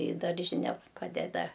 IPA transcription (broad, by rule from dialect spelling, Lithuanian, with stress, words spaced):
iː ˈdɐrʲʒʲɪnʲɛ ˈpɑːdʲɛdɐ